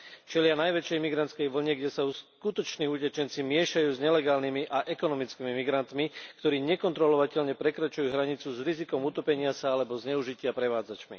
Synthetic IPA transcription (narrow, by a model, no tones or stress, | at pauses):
t͡ʃɛlɪanajʋɛt͡ʃɛjmiɡɾant̪t͡skɛjʋl̩ɲɛɡɟɛsauskut̪ɔt͡ʃniːucɛt͡ʃɛnt͡simɪɛʃajuːzɲɛlɛɡaːlnimiʔaʔɛkɔnɔmit͡skiːmimiɡɾant̪mikt̪ɔɾiːɲɛkɔnt̪ɾɔlɔʋacɛʎɲɛpɾɛkɾat͡ʃujuːɦɾaɲit͡suzɾizikɔmut̪ɔpɛɲɪasaalɛbɔzɲɛuʒicɪapɾɛʋaːd͡zat͡ʃmḭ